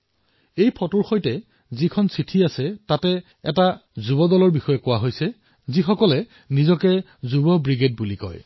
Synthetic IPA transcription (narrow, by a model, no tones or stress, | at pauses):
ejpʰɔtoɹxojtɛ | zikʰɔnsitʰiasɛtatɛ | ɛtazubɔdɔlɔɹbixɔjɛkʊwaɦojsɛ | zixɔkɔlɛ | nizɔkɛ | zubɔbɹiɡet̚bulikɔ̰j